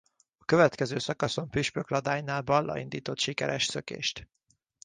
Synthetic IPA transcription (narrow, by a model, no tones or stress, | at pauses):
ɒkøvɛt̪kɛzøːsɒkɒso̞mpyʃpøklɒd̪aːjnaːlbɒlːɒ̰ind̪iːt̪o̞t̪ʃikɛɾɛʃsø̞kḛːʃt̪